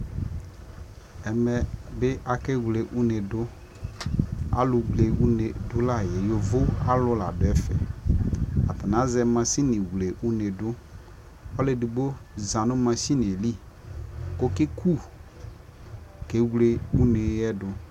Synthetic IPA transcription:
ɛ˨mɛ˨bɪ˦ʔa˨ke˦wle˨ʔu˦ne˨dʊ˦ | a̰˦lʊ˨ɡ͡ble˨u˦ne˨dʊ˦la˦˨je˨jo˨vo˦a˦lʊ˦la̰˨dʊ˨˦ɛ˦fɛ̰˨ | a̰˨t̪a˨nã˨˦zɛ˦mã˨si˦nĩ˨wle˨ʔu˦ne˨dʊ˦ | ɔ˦le˨du˨bo˦za˨nʊ̃˦mã˧si˦n˨e˨li˦ | ko˦kɪ˦kʰu˦˨ | ke˨˦wle˦u˦ne˨˦ɛ˦dʊ˨

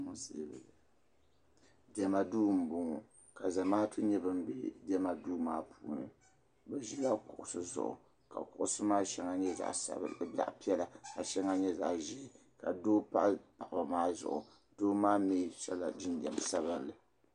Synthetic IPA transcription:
mʊ˦sḛ˦bɨ˨ | dɛ˨ma˨duː˦m̩˨bʊ˦ŋɔ˨ | ka˨za˨maː˦tu˦ɲɛ˦bɨ˦m˦bḛ˦dɛ˦ma˨duː˦maː˦pʰuː˦˨nɨ̰˨ | bɛ˨ʒi˦la˦kʊ˨ʔʊ˨sɨ˦zʊ̰˨ʔʊ̰˨ | ka̰˨kʊ˨ʔʊ˦sɨ˦maː˦ʃɛ˦ŋa˦ɲɛ˦za̰˨ʔsa̰˨b̰la̰˨ʔpi˦ɛ˦la˨ka˨ʃɛ˦ŋa˦ɲɛ˦za̰˨ʔʒɛ˦˨ | ka˨doː˦pa˦ʔpa˨ʔba˨maː˦zʊ̰˨ʔʊ̰˨ | d̥oː˦maː˦meː˦ʃɛ˦la˨di˦n˦dɛ˨m˨sa˦βɨ˦nlɨ˨

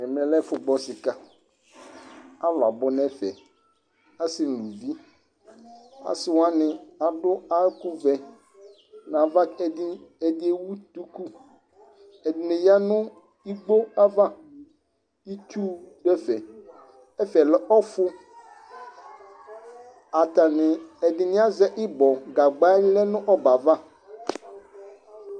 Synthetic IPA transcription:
ɪ̃˨mɪ̃˨lɛ˦fʊ˨ɡ͡bɔ˦sɪ˨ka˦ | a˦la˨bʊ˦nɛ˦fɛ̰˨ | a˦sɪ˨nũ˨di˦ | a̰˨sɪ˨wa˦nɪ̃˨a˨dʊ˦a˦kʊ˦vɛ˨ | nã˨va˦kɛ˨dɪ˦ɛ˨dɪ˦e˦wu˦t̪u˦ku˦ | ɛ˨dɪ˨nɪ̃˨ja˦nʊ̃˦ | i˦ɡ͡bo˦a˦va˦ | i˦tʰuː˦dɛ˦fɛ˨ | ɛ˦fɛ˨lɛ˦ʔɔ˦fʊ˦ | a˨ta˨nɪ̃˨ɛ˨dɪ˨nɪ̃˦a˦zɛ˦ʔɪ˦bɔ˨ɡa˨ɡ͡ba˦ɪ˦lɛ˦nʊ̃˦ʔɔ˦ba˨va˦

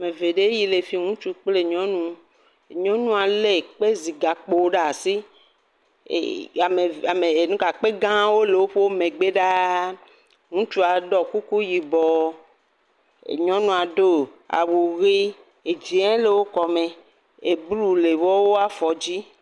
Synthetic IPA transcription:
a˨me˨ve˨ɖe˦ji˨le˨fi˦ŋũ˦t͡ʃu˦k͡ple˦ɲɔ̃˦nũ˦˨ | ɲɔ̃˦nũ˦a˨le˨k͡pe˦zi˨ɡa˨k͡po˨˦ɖa˨si˦˨ | a˨me˨a˨me˨e˨nũ˦ka˨k͡pe˦ɡã˦wo˦le˨wo˦ɸe˦wo˦mẽ˨ɡ͡be˦ɖa˦ | ŋũ˦t͡ʃu˦a˨ɖɔ˨ku˦ku˦ji˨bɔ˨ | ḛ˨ɲɔ̃˦nũ˨a˨ɖo˦a̰˨wo˨ɣi˦ | e˨d͡ʒi˨ɛ̃˦le˨wo˦kɔ˨mẽ˨ | e˨blu˦le˨wɔ˦wo˦a˦fɔ˨d͡ʑi˦

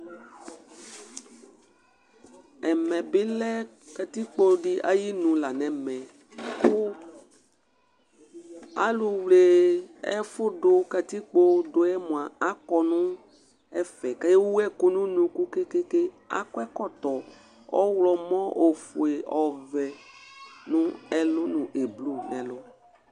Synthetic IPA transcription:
ɛ˨mɛ̃˨bɪ˦lɛ˦ | ka˨t̪i˦k͡po˦ɖi˦ʔa̰˦ji˦nũ˨la˨nɛ̃˨mɛ̃˨ | kʊ˦ | a˦lu˨wle˨ɛ̰˦fʊ˦ɖʊ˦ka˨t̪i˦k͡po˦dʊ˨ɛ˦mũ˨a˨a˦kɔ˨nʊ̃˦ | ɛ˦fɛ˨ka˦je˦wwu˦ɛ˦kʊ˦nũ˦nũ˨ku˦ke˦ke˦ke˦ | a̰˦kɔ˦ɛ˦kɔ˦t̪ɔ˨ | ɔ̰˦wlɔ˨mɔ̃˦ʔo˨fʊ˨e˨ʔɔ˨vɛ˨ | nʊ̃˦ɛ˦lʊ˦nũ˨ʔe˨blu˦nɛ̃˨lʊ˦

